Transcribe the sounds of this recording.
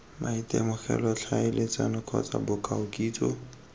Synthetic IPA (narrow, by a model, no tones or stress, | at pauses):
mʔaitʼemʊχɛlɔt͡ɬʰaɪlet͡sʼanʊkʰɔt͡sʼabʊkʼaʊkʼiːt͡sʼɔ